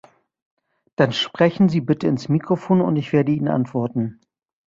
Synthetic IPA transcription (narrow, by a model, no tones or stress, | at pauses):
d̥anʃpʁ̥ɛçn̩ziːbɪtʰəɪnsmiːkʁ̥ofoːnʊ̰ntɪçv̥eːɐdəiːnənʔa̰ntv̥ɔɐtn̩